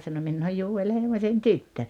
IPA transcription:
sɑno minː oːj juːel heimosʲen tytːø

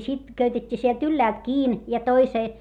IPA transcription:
sit køytetʲːiː sielt ylːæːlt kiːn jɑ toiseː

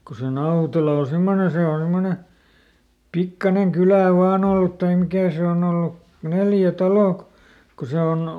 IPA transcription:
ko se nɑutelɑ o semːone se on̞ semːone pikːɑneŋ kylæˑ ʋɑːn olːut tɑim mikæˑ se on olːu neljæ tɑloˑ kŏ ko se on

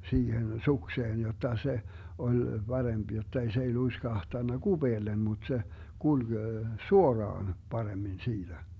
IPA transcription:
siːhen sukseːn jotːɑ se olʲ b̥ɑremb̥ jotːei s ei luiskɑhtɑnːɑ ɡ̊ub̥eːlːem mut se kulɡ̊ suorɑːn pɑremːin siːtæ

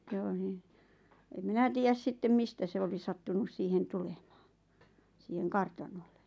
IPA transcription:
j̆ŏ n̆ĭ em minæ tiːjæs sitːem mistæ se oli sɑtːunus siːhen tulemɑ̥ː siːheŋ kɑrtɑnolːe

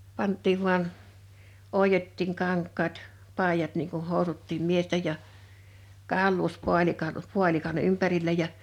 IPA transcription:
pɑntˑiːʋ ʋuɑn oˑijotːiːŋ kɑŋkˑɑːt pɑˑijɑt niːŋ kun̞ hoˑusutːiːm miestej jɑ kɑˑulːuːspuɑlikɑ puɑlikɑn ympærilːæ jɑ

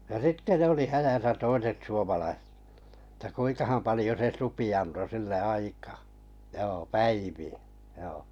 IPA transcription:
jɑ sitːe ne oli hæjæsæ toiset suomɑlɑi etːæ kuiŋkɑhɑm pɑlĭjo se supi ɑnto silːe ɑikɑː joː pæiʋiæ joː

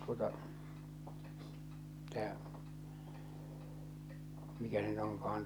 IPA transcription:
tuotɑ tæː mikæ se nyt oŋkɑɑn

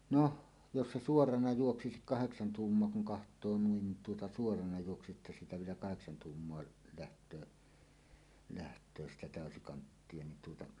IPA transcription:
no jos se suorɑnɑ juoksikik kɑheksɑn tuːmːoɑ kuŋ kɑhtˑoː nuin tuotɑ suorɑnɑ juoksisiʔ ʔetːæ siːtæ ʋielæ kɑheksɑn tuːmːoɑ læhtˑøː læhtˑøː sitæ tæˑøsikɑntːie nin tuotɑ

